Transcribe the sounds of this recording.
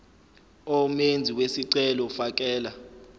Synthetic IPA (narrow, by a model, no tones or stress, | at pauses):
ɔmend͡zʱiwesiǀɛlɔfak̬ʼɛːla